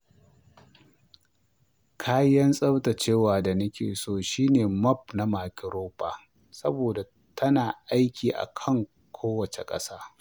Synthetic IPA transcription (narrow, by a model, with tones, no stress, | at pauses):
kʰaː˦jɐ˦nsʼɐ˦wta˨t͡ʃeː˦˨waː˨da˨nʊ˦kʲḛː˨soː˦ʃiː˦neː˨mɐ˦˨p̚na˦maː˨kʲɪ˨ɾoː˦ɸa̰ː˨ | sɐ̰˦boː˨da˨ | tʰɐ˦naː˨ʔa˦jkʲiː˨ʔa̰˨kʰɐ˦ŋ | kʷʰoː˦wɐ˨t͡ʃḛ˨kʼɐ̰˦saː˦